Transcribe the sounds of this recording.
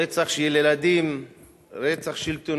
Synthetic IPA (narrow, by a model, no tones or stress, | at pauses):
et͡saχʃjelelad̪im | ɾet͡saχʃilt̪on